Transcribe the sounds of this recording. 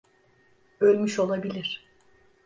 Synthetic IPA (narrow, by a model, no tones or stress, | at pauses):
ølʲmyʃo̞lˠabilʲiɾ̥